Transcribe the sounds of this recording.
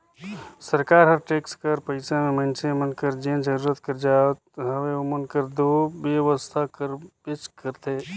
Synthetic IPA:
səɾkaːɾɦəɾʈeːkskəɾpəɪsamẽmə̃nsemənkəɾd͡ʒẽːnd͡ʒəɾuːɾət̪kəɾd͡ʒaːt̪̚ɦəweomənkəɾd̪oːʋjəʋəst̪ʰakəɾbɪt͡ʃkəɾt̪eː

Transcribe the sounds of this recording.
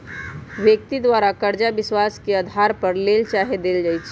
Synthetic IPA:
ʋjək̚t̪id̪waːɾakəɾd͡ʒabɪswaːskead̪ʱaːɾpɐɾleːlt͡ʃaːɦed̪eːld͡ʒaːjt͡ʃʰ

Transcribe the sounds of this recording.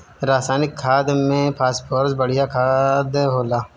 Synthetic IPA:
ɾaːsaːnɪkʰːaːd̪mẽpʰaːspoːɾsbəɽ̤ijakʰaːd̪ɦoːlaː

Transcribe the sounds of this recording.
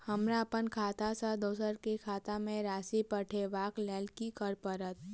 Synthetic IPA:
həmɾapənkʰaːt̪asad̪oːsəɾkekʰaːt̪ãmẽɾaːsipəʈʰeʋaːklɛːlkikəɾpəɾət̪

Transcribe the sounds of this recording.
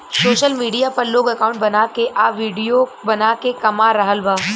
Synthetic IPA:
soːʃəlmiːɖijapɐɾloːɡɐkaːʊ̃ɳʈ̚bɐnakeʔaːʋiːɖijobɐnakekɐmaɾɐɦəlʋaː

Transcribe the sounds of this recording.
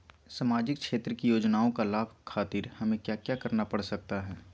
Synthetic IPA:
samaːd͡ʒɪkʃeːt̪ɾəkijoːd͡ʒnaːõkalaːbʱkʰaːt̪ɪɾhɐmẽkjaːkjaːkɐɾnapɐɽsɐk̚t̪aɦɛː

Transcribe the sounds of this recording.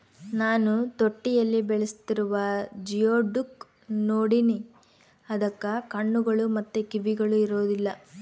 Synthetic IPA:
naːnut̪oʈːijɐlːibɛɭɐst̪iɾuʋɐd͡ʒijoːɖuk | noːɽini | ɐd̪ɐkːɐkɐɳːuɡɐɭumɐt̪ːukiʋiɡɐɭuiɾoːd̪ilːɐ

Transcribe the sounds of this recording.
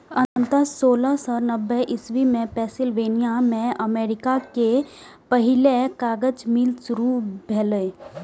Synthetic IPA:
ə̃nt̪əsoːləsɔnəbːɛʔɪsʋimẽpɛːsɪlʋeːnijamẽəmeːɾɪkakepəɦɪlekaːɡəd͡ʒmɪlsʊɾubʱɛːle

